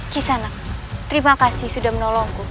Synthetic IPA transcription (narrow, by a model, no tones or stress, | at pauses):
kisana | t̪əɾimakasɪhsudahmənɔlɔŋku